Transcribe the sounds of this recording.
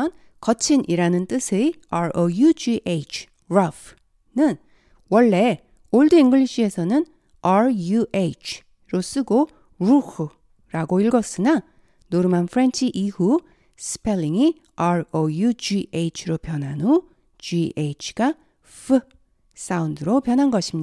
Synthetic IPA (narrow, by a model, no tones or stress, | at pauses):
ʌn | kʌt͡ɕʰinʔiɾanɯnt͈ɯsʰeaɾojud͡ʑiʔet͡ɕʰ | ɾʌf | nɯn | wʌɭːe̞ | oɭduiŋɡɯɭiɕʰie̞sʰʌnɯn | aɾjuʔet͡ɕʰ | ɾos͈ɯɡo | ɾuxɯ | ɾaɡoiɭɡʌs͈ɯna | noɾɯmanpʰɯɾe̞nt͡ɕʰiʔihu | sʰɯ̥pʰelːiŋi | aɾojud͡ʑieit͡ɕʰɯɾopjʌnɦano | d͡ʑiet͡ɕʰɡa | fɯ | s͈aundɯɾopjʌnɦanɡʌɕʰimɲia